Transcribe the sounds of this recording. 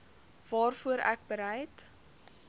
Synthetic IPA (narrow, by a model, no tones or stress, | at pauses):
vɑːrfuəɾæ̰k̚bəɾɛjt